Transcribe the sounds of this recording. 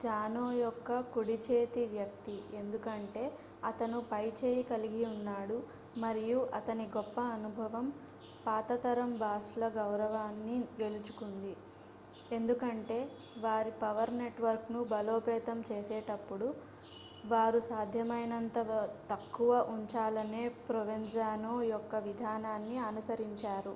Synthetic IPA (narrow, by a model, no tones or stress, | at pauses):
d͡ʒaːnoːjɔkːɐkuɽit͡ʃeːt̪iʋjɐk̚t̪iend̪ukɐɳʈe̞ː | ɐt̪ɐnupɐjt͡ʃeːjikɐliɡiunːaːɽu | mɐɾijuʔɐt̪ɐniɡɔpːɐːnubʱɐʋɐm | paːt̪ɐt̪ɐɾɐmbʱaːslɐɡɐwɾɐʋaːnːiɡe̞lut͡ʃu̥kund̪i | e̞nd̪ukɐɳʈe̞ː | ʋaːɾipɐʋɐɾne̞ʈʋɐɾknubɐlo̞ːpɛːt̪ɐmt͡ʃeːsɛːʈɐpːuɽu | ʋaːɾusaːd̪ʱjɐmɐjnɐnt̪ɐt̪ɐkːuʋɐʔuɲt͡ʃaːlɐne̞ːpɾoʋeɲd͡ʒaːnoːjɔkːɐʋid̪ʱaːnaːnːiɐnusɐɾiɲt͡ʃaːɾu